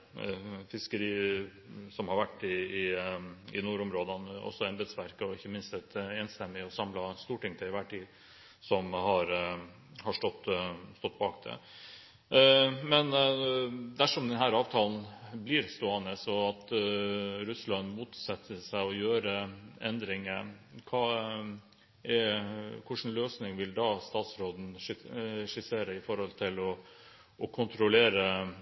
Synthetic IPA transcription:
fɪskəɾiː | sɔmhɑɾʋæʈːɪː | ɪnuːɾɔmɾoːd̪ɑnɔ̰sːɔɛnbeːt̪sʋæɾkəɔɪçːəmɪnst̪ɛt̪eːnst̪ɛmːɪɔsɑmlɑst̪uːʈɪŋt̪ʰɛɪʋæːʈʰiː | sɔmhɑɾ | hɑʂʈɔt̪ːst̪ɔt̪̚ːbɑːkd̪ʰɛ̰ | mɛn | d̪æʂɔmd̪ɛnɦæːɾɑːʋt̪ʰɑːlnbliɾst̪uɑːnəsɔɑt̪ | ɾʉslɑnmuːt̪sɑt̪ʰːəsæɪɔjøːɾəɛnd̪ɾɪŋəkʰɑː | ʔɛkʰʊʂn̩løːsnɪŋʋɪld̪ɑːst̪ɑːt̪sɾoːd̪n̩ | ɛʂɪseːɾəɪfɔɾhɔlt̪ʰɪlɔ | ʔɔkʰʊnt̪ɾʊleːɾə

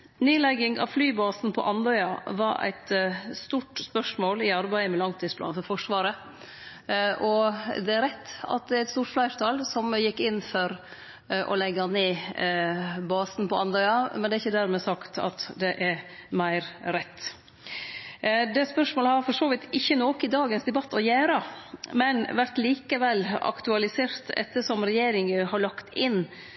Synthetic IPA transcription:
neːlɛɡɪŋɑ̰ʋflyːbɑːsn̩pʰɔ̰ʔɑnd̪œʏɑʋɑɾæ̰ɪt̪st̪uːʈspœʂmoːlɪɑɾbæɪəmɛlɑŋt̪ʰiːspʰlɑ̰nfɔɾfɔʂʋɑːɾə | ʔɔd̪ɛæɾɛt̪ːɑ̰t̪̚d̪ɛæɾɪt̪st̪uːʈflæɪɾt̪ʰɑlsɔmjɪkːɪnfɔɾ | ʔɔ̰lɛɡɑneː | bɑːsnpʰɔɑnd̪œʏɑmɛnd̪ɛæɾɪçːəd̪æɾmɛsɑkt̪ɑ̰t̪d̪ɛʔæɾmæɪɾɾɛt̪ː | d̪ɛspœʂmoːləhɑɾfɔʂoːʋɪt̪ɪçːənoːkɪd̪ɑːɡənsd̪ɛbɑt̪ːɔjæːɾɑmɛnʋæɾt̪liːkəʋɛlːɑ̰kt̪ʉɑlɪseːɾt̪ɛ̰t̪ːəʂɔmɾɛjeːɾɪŋhɑɭɑkt̪ɪnː

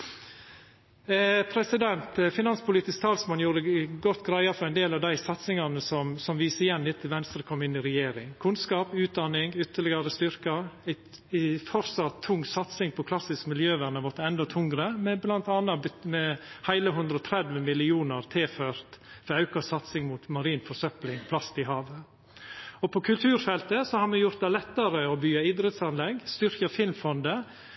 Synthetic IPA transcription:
pʰɾɛsɪd̪ɛnt̪fɪnɑnspʰʊliːt̪ɪsk̚t̪ʰɑːlsmɑnjuːɾəɡɔt̪ːɡɾæɪɑfɔɾæɪnd̪eːlɑʋd̪æɪsɑt̪sɪŋɑnəsɔmsɔmʋiːsəɾjɛnd̪ɪt̪ʰːɪlʋɛnst̪ɾəkʰɔmːɪnːɪɾɛjeːɾɪŋkʰʉnskɑːpʉːt̪̚d̪ɑnɪŋʏt̪ːəɭɪɡɑɾəst̪ʏɾkɑæɪ | fɔɾsɑt̪ʰːʊŋːsɑt̪sɪŋpʰɔkʰlɑsɪskmɪljøːʋæɾnəʋɔt̪əɛnd̪ɔt̪ʰʊŋɾəmɛblɑnt̪ɑːnɑbʏt̪mɛhæɪləɦʉnd̪ɾɔt̪ʰɾɛd̪ʋəmɪlɪuːnəɾt̪ʰeːføːɾt̪fɔɾɑʉkɑsɑt̪sɪŋmuːt̪mɑɾiːnfɔsœplɪŋpʰlɑst̪ɪɦɑːʋə | ɔpʰɔkʰʉlt̪ʰʉːɾfɛlt̪əsɔhɑɾmɛjʊɾt̪̚d̪ɛlɛt̪ːɑɾəɔbyːɑid̪ɾət̪sɑnlɛɡst̪ʏɾkəfɪlmfɔnd̪ə

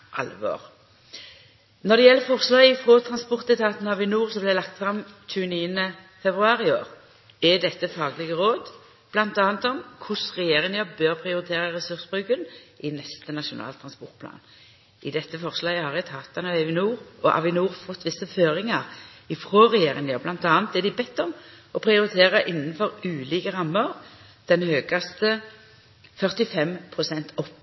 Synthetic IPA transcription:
ʔɑ̰lʋo̰ːʁ | nɔd̪ɛjɛlːəfɔʁslɑːɡɪfʁoːt̪ʰɾɑnspɔʁt̪ɛt̪ʰɑːt̪n̩hɑʋɪnuːʁsɔblɛlɑkt̪fɾɑmt͡ʃʉːəniːənə | fɛbʁʉɑːʁɪo̰ːʁ | ɛd̪ɛt̪ːəfɑːɡəlɪɡəʁoːd̪ | b̥lɑnt̪ɑːnt̪ɔmkʰʊsʁɛjeːʁɪŋɑbøːʁpʰɾɪʊɾɪt̪ʰeːʁəʁɛsʉʁsbʁʉɡənʔɪnɛst̪ənɑʃʊnɑ̰ːlt̪ʰɾɑnspɔʁt̪̚pʰlɑ̰ːn | ʔɪd̪ɛt̪ːəfɔʁslɑːɡəhɑʁjæt̪ʰɑːt̪ɑnɑɛʋɪnuːʁɔ̰hɑ̰ʋɪnuːʁfɔt̪ːʋɪsːəføːɾɪŋɑʁɪfʁoːʁɛjeːɾɪŋjɑblɑnt̪ɑːnt̪̚ɛːd̪ɪbɛt̪ːɔm | ɔpʰɾɪʊɾɪt̪ʰeːʁɑʔɪnːn̩fɔʁʉːliːkəʁɑmːəʁ | d̪̥ɛnhøːɡɑst̪ə | fœʁt̪ɪfɛmpʰʁʊsɛnt̪ʰɔpː

